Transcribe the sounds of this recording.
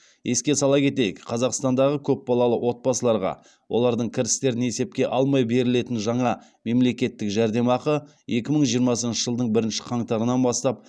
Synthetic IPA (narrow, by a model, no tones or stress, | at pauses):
je̞skʲe̞sɑlˠɑkʲʰe̞t̪e̞jɪkqʰːɑzɑqst̪ɑnd̪ɑʁəkʲʰɵp̚bɑlˠɑlˠəwo̞t̪̚bɑsəlˠɑɾʁɑ̰ | wʔo̞lˠɑɾd̪əɴkʲʰɪɾɪst̪e̞ɾɪne̞se̞p̚kʲe̞ʔɑlˠmɑjbe̞ɾɪle̞t̪ɪnʒɑɴɑ | me̞mle̞kʲe̞t̪ːɪkʒæɾd̪e̞mɑqə | je̞kʲɪməɴʒijəɾmɑsənʃɪ̥ʒəlˠd̪əɴbɪɾɪnʃɪ̥qʰɑɴt̪ɑɾənɑnbɑst̪ɑp̚